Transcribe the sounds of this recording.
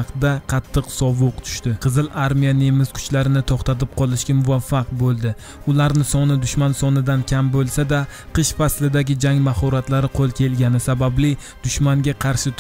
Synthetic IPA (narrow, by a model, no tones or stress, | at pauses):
qd̪aqʰɑt̪ʰːɨqsɒvʊqt̪ʰʊ̥ʃt̪ɪqʰɨzɨlˠaɾmijanemɪz̥kʰʊ̥t͡ʃlaɾɪnɪt̪ʰɒχt̪at̪ɪp̚qʰɒlˠɪʃkʲamʊvafːaq̚bolˠd̪ɪ | ʊlaɾnɪsɒnɪd̪ʊʃmansɒnɪd̪ankʲʰambolˠsad̪aqʰɨʃfaslɪd̪aɡʲɪd͡ʒaŋmahɒɾat̪laɾɪqʰolˠkʲe̞lɡʲanɪsabablɪ | d̪̥ʊʃmaŋɡʲaqʰɑɾʃɪt̪